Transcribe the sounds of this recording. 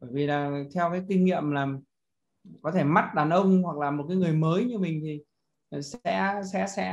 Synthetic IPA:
ɓəː˧˩jvi˨˩laː˨˩t̪ʰɛ˧wkaː˨˦jkï˧ŋŋḭ˧˨əmlaː˨˩ | kɔ˨˦t̪ʰe˧˩ma˦˥t̚ɗaː˨˩nʔə˧wŋ͡mhwa˨˩k̚laː˨˩mo˨˩t̚kaː˨˦jŋɨ˨˩əjməː˨˦jɲɨ˧mï˨˩ŋ̟t̪ʰi˨˩˨ | sɛ̰˧˥sɛ̰˧˥sɛ̰˧˥

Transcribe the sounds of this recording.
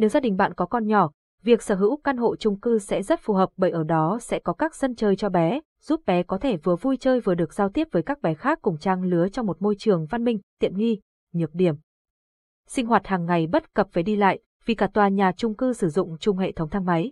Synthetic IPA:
ne˨˦wzaː˧ɗï˨˩ŋ̟ɓa̰ː˧˨nkɔ˨˦kɔ˧nɲɔ˧˩ | vi˨˩ək̚səː˧˩ɦɨ̰˧˥wka˧nɦo̰˧˨t͡ɕʊ˧ŋ͡mkɨ˧sɛ̰˧˥zə˦˥t̚fu˨˩ɦəː˨˩p̚ɓə̰˧˨ʔəː˧˩ɗɔ˨˦sɛ̰˧˥kɔ˨˦kaː˦˥k̚z̥ə˧nt͡ɕəː˨˩jt͡ɕɔ˧ɓɛ˨˦ | z̥u˦˥p̚ɓɛ˨˦kɔ˨˦t̪ʰe˧˩vɨ˨˩əvu˧jt͡ɕəː˧jvɨ˨˩əɗɨ˨˩ək̚z̥aː˧wt̪i˦˥əp̚vəː˨˦jkaː˦˥k̚ɓɛ˨˦xaː˦˥kːʊ˧˩ŋ͡mt͡ɕaː˧ŋlɨ˨˦ət͡ɕɔ˧wŋ͡mmo˨˩t̚mo˧jt͡ɕɨ˨˩əŋva˧nmï˧ŋ̟t̪ḭ˧˨ənŋi˧ | ɲɨ˨˩ək̚ɗi˧˩əm | sï˧ŋ̟ɦwaː˨˩t̚haː˨˩ŋːa˨˩jɓə˦˥t̚kə˨˩p̚vaː˨˩ɗi˧la̰ː˧˨jʔ | vi˨˩kaː˧˩t̪waː˨˩ɲaː˨˩t͡ɕʊ˧ŋ͡mkɨ˧sɨ˧˩zʊ̰˧˨ŋ͡mt͡ɕʊ˨˩ŋ͡mɦḛ˧˨t̪ʰə˨˦wŋ͡mt̪ʰa˧ŋma˨˦j

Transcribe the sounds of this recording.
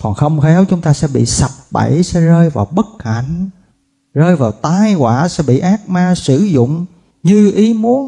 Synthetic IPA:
kɔ˨˩nxə˧wŋ͡mxɛ˨˦wt͡ɕʊ˦ŋ͡mt̪aː˧sɛ̰˧˥ɓḭ˧˨sa˨˩p̚ɓə˧˩jsɛ̰˧˥zəː˧jvaː˨˩wɓə˦˥t̚ha̰˧˩˨jŋ̟ | zəː˧jvaː˨˩wt̪aː˧jkwaː˧˩sɛ̰˧˥ɓḭ˧˨ʔaː˦˥k̚maː˧sɨ˧˩zʊ̰˧˨ŋ͡m | ɲɨ˧ʔi˨˦mu˨˦ən

